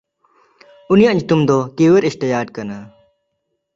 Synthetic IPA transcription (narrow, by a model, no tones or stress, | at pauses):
unijaʔɲut̪umd̪ɔkiwɛɾist̪əjaːd̪̚kana